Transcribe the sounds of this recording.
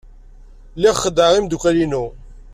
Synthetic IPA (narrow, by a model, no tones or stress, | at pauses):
lːiʁχəd̪əʁimd̪ukʷælinu